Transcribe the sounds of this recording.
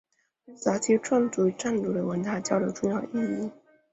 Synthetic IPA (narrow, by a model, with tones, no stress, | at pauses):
sa˧˥t̪ʰi˧˥ʈ͡ʂʰwɑ˥˩ŋt͡su˥ʈ͡ʂa˥˩nlu˥˩d̪ə˨˩wə˧˥nt̪a˥˩t͡ɕjɑ˥˩ʊd̪ə˧˩ʈ͡ʂʊ˥˧ŋjɑ˥˧ʊʔi˥˩i˥˩